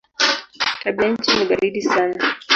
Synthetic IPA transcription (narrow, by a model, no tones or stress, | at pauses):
taɓiaɲ̩t͡ʃiniɡaɾiɗisana